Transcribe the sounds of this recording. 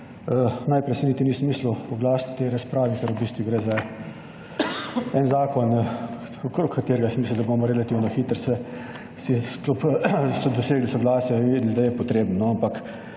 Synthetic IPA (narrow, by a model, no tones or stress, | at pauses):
ənajpɾɛjsɛnit̪inismiːsluɔɡlaːst̪t̪ɛjɾaspɾaːʋikɛɾubist̪ʋuɡɾeza | ɛnzaːkɔn | okɾokkːat̪eːɾɛɡasimisld̪aboːmɔɾɛlat̪iːwnɔxit̪əɾsɛ | sisklupsɔd̪ɔseːɡlisɔɡlaːsjɛinʋed̪ld̪ajɛpɔt̪ɾeːbnnɔampak